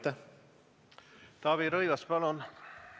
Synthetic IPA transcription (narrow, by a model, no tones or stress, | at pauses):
t̪ːɑ | t̪ɑːβiɾɤjɡɑspɑlon